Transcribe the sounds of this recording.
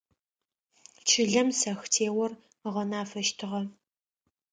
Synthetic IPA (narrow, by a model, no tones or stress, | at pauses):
t͡ʃʰɨɮɐmsɐxtʰeːwɐr | ʁɐnaːfɐʃtʰɨʁɐ